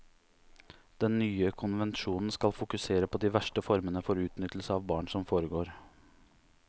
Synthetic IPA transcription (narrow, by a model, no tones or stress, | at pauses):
d̪̥ɛnːyːəkʰʊnʋɛnʃuːnn̩skɑlfʊkʉseːɾəpʰoːd̪iːʋæʂʈəfɔɾmənəfɔɾʉːt̪nʏt̪l̩səɑːʋbɑːɳsɔmfoːɾəɡoːɾ